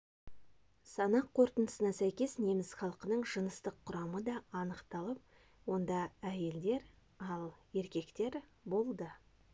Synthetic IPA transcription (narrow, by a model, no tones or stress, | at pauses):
sɑnɑqʰːo̞ɾt̪ənəsənɑsæjkʲe̞sne̞mɪzχɑlˠqənəɴʒənəst̪əqʰːʊɾɑməd̪ɑɑnəqt̪ɑlˠəp̚ | wo̞nd̪ɑæje̞ld̪e̞ɾ | ɑlˠe̞ɾkʲe̞kt̪e̞ɾbo̞lˠd̪ə